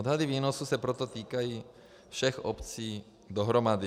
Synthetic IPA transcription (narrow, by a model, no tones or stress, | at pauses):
ɔd̪ɦad̪iʋiːnɔsusapɾɔt̪ɔt̪iːkajiː | fʃɛxɔpt͡siː | d̪ɔɦɾɔmad̪i